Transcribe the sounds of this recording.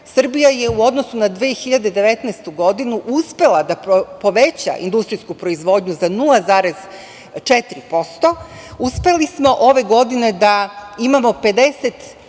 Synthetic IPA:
sr̩bijajeuo̞d̪nosunad̪ʋeːxiʎad̪e̞d̪e̞ʋet̪nɛst̪uɡo̞d̪inuʔuspe̞lˠad̪appo̞ʋe̞t͡ɕa̰ʔḭnd̪ust̪ɾiskupɾo̞izʋo̞ːd̪ɲuzanulˠazaːɾe̞z | t͡ʃet̪ɾipo̞st̪o̞ | uspe̞lismo̞ʔoʋe̞ɡo̞d̪ine̞d̪aimamo̞pe̞d̪e̞set̪

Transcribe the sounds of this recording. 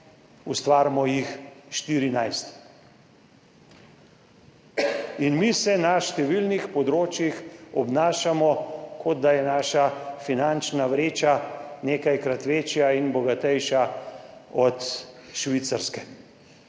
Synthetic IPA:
ust̪ʋaːɾmɔjixʃt̪iɾinajst̪ | inmisɛnaʃt̪ɛʋilnixpɔd̪ɾoːt͡ʃjixɔbnaːʃamɔkʰɔd̪̚d̪ajɛnaːʃafinant͡ʃnaʋɾeːt͡ʃaneːkajkɾat̪ʋeːt͡ʃjainbɔɡat̪ɛjʃa | ɔt̪ʃʋit̪saɾskɛ

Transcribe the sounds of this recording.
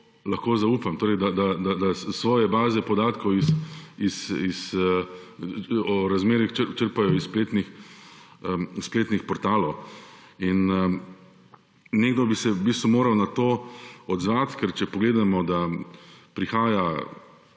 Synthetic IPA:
laxkoːzauːpamt̪oːɾɛɪd̪ad̪ad̪ad̪asʋɔːjɛbaːzɛpɔd̪aːt̪kʰɔwisisis | ɔɾazmeːɾixt͡ʃət͡ʃəɾpajɔisspleːt̪nix | spleːt̪nixpɔɾt̪aːlɔw | in | neːɡd̪ɔbisɛbiːs̬t̪ʋumoːɾawnat̪oːɔd̪zʋat̪kɛɾt͡ʃɛpɔɡleːd̪amɔd̪a | pɾixaːja

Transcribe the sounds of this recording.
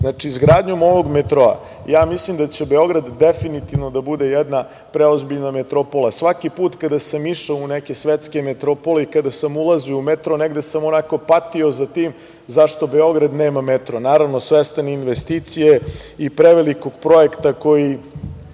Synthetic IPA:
znat͡ʃiːzɡɾaːd̪ɲomo̞ʋoɡmet̪ɾoa̰ | jaːmislimd̪at͡ɕebeo̞ɡɾad̪ːefinit̪iʋno̞d̪abud̪e̞jɛd̪na | pɾeozbiʎnamet̪ɾopolasʋakipuːt̪kad̪asamiʃauneke̞sʋet̪ske̞met̪ɾopoleikad̪asamulˠaziumet̪ɾoneɡd̪esamonako̞pat̪io̞zat̪iːm | zaʃt̪o̞beo̞ɡɾad̪neːmamet̪ɾonaːɾaʋnosʋest̪aninʋest̪iːt̪sijeipɾeʋeliko̞ɡ̥pɾo̞ekt̪ako̞ji

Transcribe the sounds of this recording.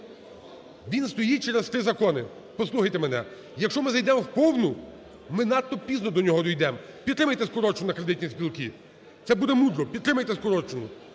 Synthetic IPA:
ʋʲinst̪ɔjit͡ʃɛɾest̪ɾɪzɐkɔnɪ | pɔslˠuxɐjt̪emenɛ | jɐkʃt͡ʃɔmɪzɐjd̪ɛmɔwpɔwnʊ | mɪnɑt̪ːɔpʲiznɔd̪ɔnʲɔɦɔd̪ɔjd̪ɛm | pʲid̪t̪ːɾɪmɐjt̪ɛskɔɾɔt͡ʃʊʊnɐkɾed̪ɪtʲnʲispʲilˠki | t̪sɛbud̪ɛmud̪ɾɔpʲid̪t̪ːɾɪmɐjt̪ɛskɔɾɔt͡ʃʊnʊ

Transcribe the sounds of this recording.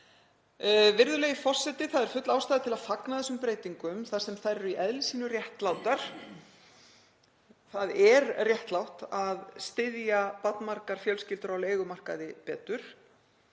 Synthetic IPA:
vɪɾðʏlɛːjɣɪfɔr̥sɛt̪ɪθaðɛɾ̥fʏt̪lawst̪aːðɪt̪ʰɪlaðfaknaðɛsʏmpɾeːjt̪iŋkʏmθað̥sɛmθaɾɛɾʏiʔɛðlɪsiːnʏrjɛht̪lawt̪aɾ̥ | θaðɛɾrjɛht̪lawht̪aðst̪ɪðjapat̪̚nmar̥kaɾ̥fjœlscɪlt̪ʏɾawleːjɣʏmar̥ka̰ðɪpɛːt̪ʏɾ̥

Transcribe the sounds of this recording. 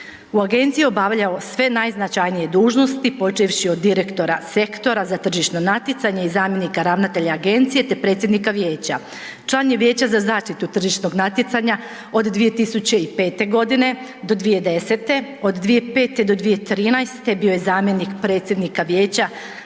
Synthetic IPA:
uaɡe̞nt̪sijio̞baʋʎao̞sʋe̞najznat͡ʃajnije̞d̪uːʒno̞st̪ipo̞t͡ʃiʋʃio̞d̪ːiɾe̞kt̪o̞ɾase̞kt̪o̞ɾazat̪r̩ʒiʃno̞nat̪jit̪saɲeizaːmje̞nikaɾaʋnat̪e̞ʎaaɡe̞nt̪sije̞t̪e̞pɾe̞ːt̪sjed̪nikaʋje̞ːt͡ɕa | t͡ʃlˠaːnjeʋje̞ːt͡ɕazazaːʃt̪it̪ut̪r̩ʒiʃno̞ɡnat̪jet̪saɲa | o̞d̪d̪ʋije̞t̪isut͡ɕe̞ipe̞ːt̪e̞ɡo̞d̪ine̞d̪o̞d̪ʋije̞d̪e̞set̪e̞o̞d̪d̪ʋije̞pe̞ːt̪ed̪o̞d̪ʋije̞t̪ɾiːnajst̪ebijo̞jezaːmje̞nikpɾe̞ːt̪sʲje̞d̪nikaʋje̞ːt͡ɕa

